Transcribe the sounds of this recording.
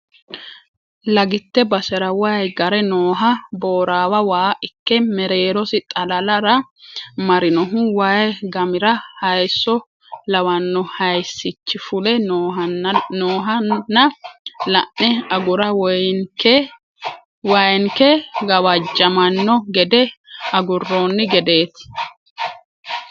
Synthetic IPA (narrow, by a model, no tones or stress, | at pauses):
lɐɡɪt̪ːɛbɐsɛɾɐwɐjɡɐɾɛnoːɦɐboːɾaːwɐwaːʔɪkːɛmɛɾeːɾɔsɪt̪ʼɐlɐlɐɾɐmɐɾɪnɔɦʊwɐjɡɐmɪɾɐhɐjsːɔ | lɐwɐnːɔhɐjsːɪt͡ʃːɪfʊlɛ | noːɦɐnːɐlɐ̰ʔːɛɐɡʊɾɐwk | wɐjŋkɛɡɐwɐd͡ʒːɐmɐnːɔɡɛd̪ɛɐɡʊrːoːnːɪɡɛd̪e̞ːt̪